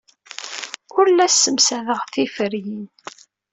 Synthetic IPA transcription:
ʊɾlæsːəmsæðəʁθifəɾjin

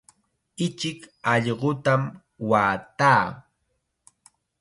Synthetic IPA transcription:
ɪt͡ʃɪkɑʎɢot̪am | waːt̪aː

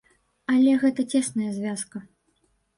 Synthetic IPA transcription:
ɐlʲɛɣɛt̪ɐt͡sʲɛsnɐjɐzʲvʲaskɐ

